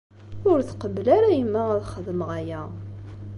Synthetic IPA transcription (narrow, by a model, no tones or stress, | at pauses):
ʊɾθqəblæɾæjəmːæəðˤχəðməʁæjæ